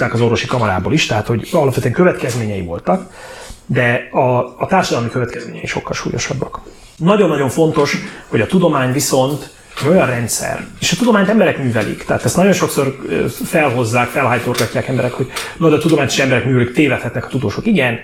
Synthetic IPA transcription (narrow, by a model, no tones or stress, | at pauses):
aːkɒzo̞ɾvo̞ʃikɒmɒɾa̰ːbo̰ːliʃt̪ɛɦat̪ho̞ɟɒlɒpfɛt̪yøɛŋkøvɛt̪kɛzmeːɲɛjḭvo̞̰lt̪ɒkd̪ɛɒːt̪aːrʃɒd̪ɒlmikøvɛt̪kɛzmḛːɲɛiʃo̞̰kːɒlʃṵːjo̞̰ʃɒbːɒk | nɒɟo̞nːɒɟo̞ɱfo̞nt̪o̞ʃhoɟɒt̪ud̪o̞maːɲviso̞nt̪ | ɛɟo̞jɒrrɛnt̪sɛ̰reːʃɒt̪ud̪o̞maːɲt̪ɛmbɛɾɛkmyːvɛlḭkt̪ɛaːt̪ɛst̪nɒɟo̞nʃo̞kso̞rfɛlɦo̞zːaːkfɛlɦɒjt̪orɡɒcːaːkɛmbɛɾɛkho̞ɟnod̪ɒt̪ud̪o̞maːɲt̪e̥ːʃɛmbɛɾɛkmyːvɛlikt̪eːvɛt̪hɛt̪nɛkɒ̥t̪ud̪oːʃokiɡɛn